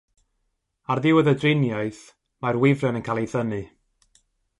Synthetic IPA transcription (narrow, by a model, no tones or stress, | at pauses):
arðɪwəðədrɪnjaɨθ | marwɪvrɔnənkʰaːlˠejθənɨ